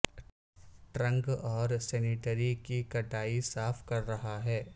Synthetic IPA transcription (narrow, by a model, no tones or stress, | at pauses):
ʈɾɐ̃ŋɡɔːɾsɛːnɪʈəɾikikɐʈaːisaːfkɐɾːɐɦaɦɛː